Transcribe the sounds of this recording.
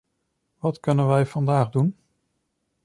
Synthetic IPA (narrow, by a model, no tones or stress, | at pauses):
ʋɑtkɵnənʋɛjvɑndaːχdun